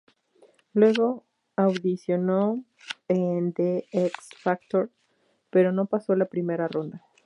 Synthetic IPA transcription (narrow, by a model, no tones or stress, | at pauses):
lwe̞ɣo̞ | awðisjo̞no | end̪eeksfak̚t̪oɾ | pe̞ɾo̞no̞paso̞lapɾime̞ɾaro̞nd̪a